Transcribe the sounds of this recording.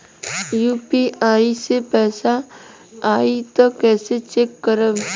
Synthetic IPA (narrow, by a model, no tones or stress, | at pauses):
juːpiaːisepɛːsa | aːit̪okɛːset͡ʃeːkːəɾəb